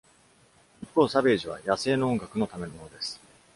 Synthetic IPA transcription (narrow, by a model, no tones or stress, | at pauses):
ipːo̞ːsabe̞ːʑiβ̞a̰jase̞ːno̞õŋɡakɯ̟no̞t̪ame̞nomo̞nod̪e̞sɨ̥